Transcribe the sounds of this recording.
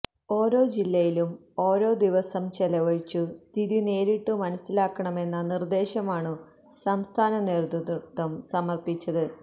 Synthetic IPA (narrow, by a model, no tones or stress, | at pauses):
o̞ːɾo̞ːd͡ʑilːɐjilum | o̞ːɾo̞ːd̪iʋɐsɐmt͡ɕelɐʋɐɻit͡ɕːust̪ʰiðine̞ːɾiʈːɨmɐnɐsːilaːkːɐɳɐme̞nːɐnird̪e̞ːɕɐmaːɳɨ | sɐmst̪ʰaːnɐneːɾut̪ud̪rut̪ʰːɐmsɐmɐrpit͡ɕːɐðɨ